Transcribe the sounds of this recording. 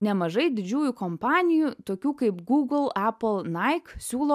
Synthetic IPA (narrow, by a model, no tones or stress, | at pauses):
nʲɛmɐʒɐɪd̪ʲɪd͡ʒʲuːjukompɑːnʲɪjut̪oːkʲuːkɐɪpɡuːɡl̩ˠæːplˠnɐɪksʲuːlˠoː